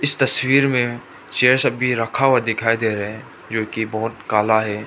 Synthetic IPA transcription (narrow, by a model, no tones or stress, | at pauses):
ɪst̪ɐswiːɾmẽ | t͡ʃeːəɾsɐbʱiɾɐkʰawad̪ɪkʰaːid̪eːɾɐɦɛ̃ | d͡ʒoːkibɐɦʊt̪kaːlaɦɛː